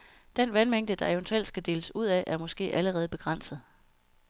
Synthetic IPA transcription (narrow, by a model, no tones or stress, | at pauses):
d̥en̰ʋænmeŋ̰d̥əd̥ɑ̈ent͡sʰel̰̥sɡ̥æd̥e̝ːləsuð̞̰ˠæʔæɐmɒ̽sɡ̥e̝̰ːʔæləʁɛːð̞̩ˠb̥e̝ɡ̥ʁɑn̰sð̩ˠ